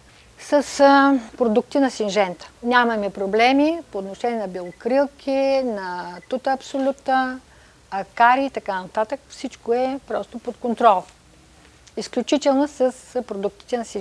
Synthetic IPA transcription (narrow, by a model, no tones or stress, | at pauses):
səspɾod̪uk̚t̪inɐsinʒɛnt̪ə̥nʲamɐmɛpɾoblɛmipoːt̪noʃɛniɛnɐbilˠokɾilˠkʰʲinɐt̪ut̪əːpsolʲut̪ə | ɐkaɾit̪ɐkanɐt̪at̪əkfsit͡ʃkoɛpɾɔst̪opot̪kont̪ɾɔlˠ | isklʲut͡ʃit̪ɛlˠnosəspɾod̪uk̚t̪i̥t̪ɛnɐsi